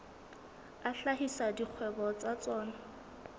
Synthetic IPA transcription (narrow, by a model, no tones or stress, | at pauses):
aɬaɦisadiq͡χʰwɛbɔt͡sat͡sɔːna